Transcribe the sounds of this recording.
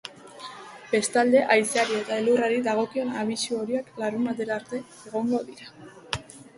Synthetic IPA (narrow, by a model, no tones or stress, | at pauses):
b̥e̞st̪ald̪e̞ʔajseaɾie̞t̪aeluraɾiðaɣ̞o̞kio̞naβ̞isuo̞ɾiaklaɾumat̪eɾaɾt̪e̞ | eɣ̞o̞ŋɡo̞ðiɾa